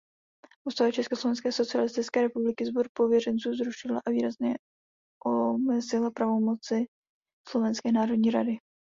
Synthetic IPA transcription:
ʔust̪alat͡ʃɛskoslo̞vɛnskɛːso̞t͡sɪalɪst̪ɪt͡skɛːɾɛpublɪkɪzboɾpo̞vjɛrɛnt͡suːzɾuʃɪla̰ʔaviːɾazɲɛ | ʔomɛzɪlapɾavo̞mo̞t͡sɪ | slo̞vɛnskɛːnaːɾodɲiːɾadɪ

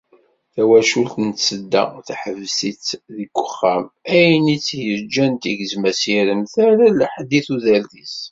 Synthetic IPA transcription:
θæwæʃult̪ənsəd̪ːæ̰θħəvsit͡sðiɡʷːə̥χːæmæjnit͡sːjəɾd͡ʒænt̪iʝəzmæsiɾəmθæɾælħd̪iθuðælðis

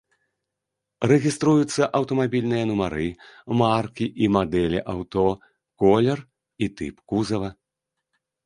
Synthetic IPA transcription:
ɾɛɣʲist̪ɾujut̪sːɐʔɐwt̪ɐmabʲilʲnɨjɐnumaɾɨmarkʲiʔimad̪ɛlʲiʔawt̪ɔ | kɔlʲɛr | it̪ɨpkuzɐvɐ

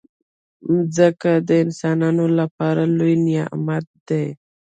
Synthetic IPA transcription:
zəkad̪əɪnsɑnɑnolapɑɾalojnija̰ʔmat̪̚d̪ej

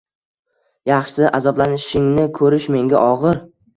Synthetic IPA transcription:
jɑχʃsɪʔazɒblanɪʃɪŋnɪkʰɵɾɪʃme̞ŋɡʲaʔɒʁɨɾ

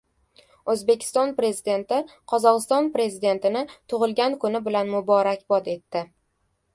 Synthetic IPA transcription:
ɵzbe̞kʲʰɪ̥st̪ɒnpɾe̞zid̪e̞nt̪ɪqʰɒzɒʁɨst̪ɒnpɾe̞zid̪e̞nt̪ɪnɪt̪ʰʊʁɨlˠɡʲankʰʊnɪbɪlanmʊbɒɾakʲbɒd̪e̞t̪ːɪ

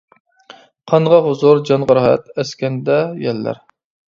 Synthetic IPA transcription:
qʰɑɴʁɑɦʊzʊɾd͡ʒɑnʁəɾɑɦɛ̰t̪ɛskʲɛnd̪ɛjɛlːæ̰ɾ

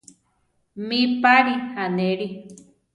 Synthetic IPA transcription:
mĩpaɾihaneɾi

